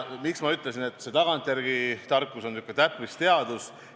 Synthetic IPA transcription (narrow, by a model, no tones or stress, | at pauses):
miksmɑyt̪ːˑle̞sine̞t̪ˑːse̞t̪ɑɡ̥ɑnt̪ˑjæɾɡ̥it̪ɑrkːˑuso̞nykˑːet̪æpˑvist̪e̞ɑd̪̥us